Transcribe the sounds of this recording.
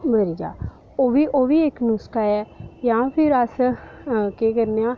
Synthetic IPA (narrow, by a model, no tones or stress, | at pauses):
bəɾid͡ʒa̰ː | oːʋiːʔoːʋiːɪknʊskaːɛːjãːpʰɪɾəs | keːkəɾneãː